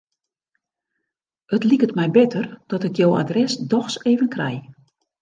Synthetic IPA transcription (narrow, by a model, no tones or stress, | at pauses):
ətlikətmɛjbɪtʰərd̥ɔtɪkjowa̰drɛsdɔxseːvənkrɛ̰j